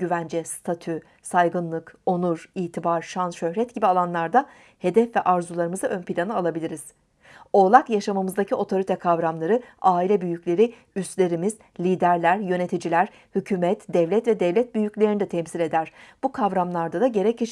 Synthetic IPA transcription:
ɟyvænd͡ʒɛst̪ʰat̪ʰy | sajɡɯnlˠɯko̞nuɾiːt̪ʰibaɾʃanʃø̞hɾɛt̪ɟibialˠanlˠaɾd̪a | he̞d̪ɛfvɛʔaɾzulˠaɾɯmɯzaʔø̞npilʲanɯalˠabilʲiɾiz̥ | o̞ːlˠakjaʃamamɯzd̪acʰio̞t̪ʰo̞ɾit̪ʰɛkʰavɾamlˠaɾɯaːilʲɛbyjyclʲe̞ɾi | yst̪lʲe̞ɾimiz̥ | lʲiːd̪æɾlʲæɾjø̞ne̞t̪ʰid͡ʒilʲæɾ̥ | hycʰyːmɛt̪d̪ɛvlʲɛt̪vɛd̪ɛvlʲɛt̪̚byjyclʲeɾinid̪ɛt̪ʰɛmsilʲe̞d̪æɾ̥b̥ukʰavɾamlˠaɾd̪ad̪aɟe̞ɾɛciʃ

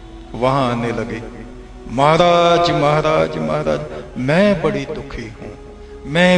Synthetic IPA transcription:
ʋɐɦãaːnelɐɡeː | mɐɦːɾaːd͡ʒmɐɦaɾaːd͡ʒmɐɦaɾaːd͡ʒmɛ̃ːbəɽid̪ʊkʰiɦũː | mɛ̃ː

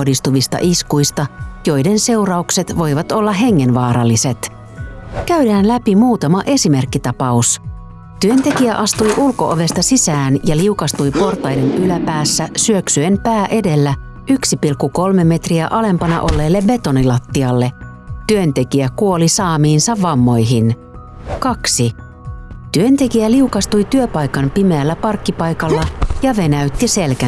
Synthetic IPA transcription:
dist̪uʋist̪ɑ̰ʔiskujst̪ɑjo̞jde̞nse̞wrɑukse̞t̪ʋo̞jʋɑt̪o̞lːɑɦe̞ŋːe̞nʋɑːɾɑlːise̞t̪ | kæydæːnlæpimuːt̪ɑmɑʔe̞sime̞rkːit̪ɑpɑus | t̪yønt̪e̞kiæʔɑst̪ujʔulko̞̰ʔoʋe̞st̪ɑsisæːnjɑliukɑst̪ujpo̞rt̪ˑɑjde̞nylæpæːsːæsyø̞ksye̞mpæːʔe̞de̞lːæ | ʔyksipilkːuko̞lme̞mːe̞t̪riæʔɑle̞mpɑnɑ̰ʔo̞̰lːe̞ːlːe̞be̞t̪o̞nilɑt̪ːiɑlːe̞ | t̪yønt̪e̞kiækuo̞lisɑːmiːnsɑʋːɑmːo̞jɦin | kɑksi | t̪yønt̪e̞kiæliukɑst̪ujt̪yøpɑjkɑmpime̞ælːæpɑrkːipɑjkɑlːɑjɑʋe̞næyt̪ːise̞lkæ

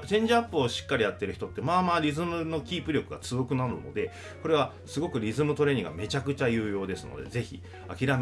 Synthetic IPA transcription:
t͡ɕẽ̞ɲ̟d͡ʑiapːɯoɕi̥kːaɾʲijat̪ːe̞ɾɯ̟çi̥t̪o̞t̪ːe̞maːmaːɾʲizɨmɯ̟no̞kʲiːpɯ̟ɾʲjo̞kɯ̟ɡa̰t͡sɨjo̞kɯ̟naɾɯ̟no̞̰d̪e̞ | ko̞ɾe̞βa | sɨɡo̞kɯ̟ɾʲizɨmɯ̟t̪o̞ɾe̞ɲiɡa̰me̞t͡ɕakɯ̟t͡ɕajɯ̟ːjo̞ːd̪e̞sɨno̞̰d̪e̞̰ze̞çḭ | akʲiɾam

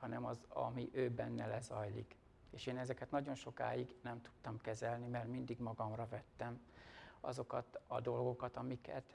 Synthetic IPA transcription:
hɒnɛmɒzɒ̰miʔøːbɛnːɛlɛzɒjlḭk | eːʃeːnɛzɛkɛt̪nɒɟo̞nʃo̞ka̰ːjiɡnɛmt̪u̥t̪ːɒmkɛzɛlnimɛrmind̪iɡmɒɡɒmrɒvɛt̪ːɛmɒ̰zo̞kɒt̪ɒ̰d̪o̞lɡo̞kɒt̪ɒmikɛ̰t̪

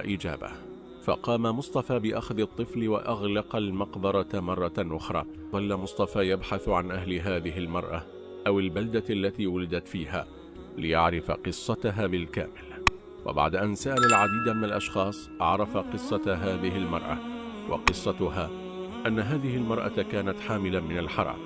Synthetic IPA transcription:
ʔiːd͡ʒa̰ːba̰ | fɑ̰qɑːmamʊsˤt̪ˤɑfaːbɪʔaxðɨt̪ˤːɨflɪwa̰ʔaɣlɑqɑlmɑqbɑɾˤɑmɑrˤːɑʔʊxɾˤɑ̰ː | ðˤɑlːamʊsˤt̪ˤɑfaːjabħaθʕanʔaɦlɪɦaːðɪɦɪlmɑɾˤʔa̰ | ʔawɪlbald̪aalːat̪iːwalɪd̪at̪fiːha̰ː | lɪjaʕɾɪfa̰qɨsˤːɑt̪aɦaːbɪlka̰ːmɪl | wa̰ba̰ʕd̪aʔansaʔalalʕad̪iːd̪amɪnalʔɑʃxɑːsˤʔɑʕɾˤɑfaqɨsˤːɑt̪ɦaːðɪɦɪlmɑ̰ɾˤʔɑ̰wʔɑ̰qɨsˤːɑt̪ʊhaː | ʔanːaɦaːðɪhɪlmɑɾˤʔɑ̰kaːnat̪ħaːmɪlamɪnalħɑɾˤɑ̰ːm

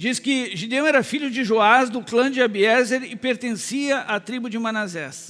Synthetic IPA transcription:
d͡ʒiskɪʒid̪ẽw̃ɛɾɐfiʎʊd͡ʒɪʒoazd̪ʊklɐ̃d͡ʒɪabiɛzeɾɪpeɾt̪ẽsiɐʔat̪ɾibʊd͡ʒɪmɐ̃nazɛs

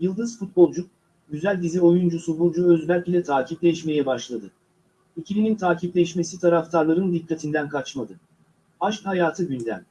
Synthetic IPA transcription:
jɯlˠd̪ɯz̥fut̪̚bo̞lˠd͡ʒuk̚ | ɟyzælʲd̪izio̞jund͡ʒusubuɾd͡ʒuøzbælʲpilʲɛt̪ʰaːciplʲɛiʃme̞jɛbaʃlˠad̪ɯ | icʰilʲinint̪ʰaːcʰiplʲɛʃme̞sit̪ʰaɾaft̪ʰaɾlˠaɾɯnd̪ikʰːat̪ʰind̪ænkʰat͡ʃmad̪ɯ | aʃkhajaːt̪ʰɯɟynd̪æ̰m

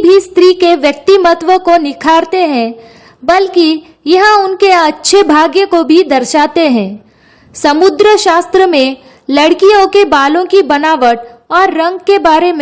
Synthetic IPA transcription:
bʱist̪ɾikeʋjɐk̚t̪imət̪ʋəkonɪkʰaːɾt̪eɦɛ̃ː | bɐlki | jɐɦãʊnkeɐtːʃʰebʱaːɡjəkobʱid̪ɐɾʃaːt̪eɦɛ̃ː | sɐmʊd̪ɾəʃaːst̪ɾəmẽ | lɐɽkijõkebaːlõkibɐnaːʋəʈɔːɾːɐ̃ŋɡkebaːɾem̃

